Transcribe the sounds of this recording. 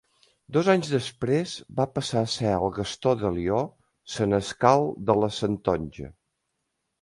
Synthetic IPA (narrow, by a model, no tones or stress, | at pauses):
d̪ɔzaɲzðəspɾezbapəsasɛəlˠɣəst̪ɔðəliɔ | sənəskalˠd̪ələsənt̪ɔnʲʒə̰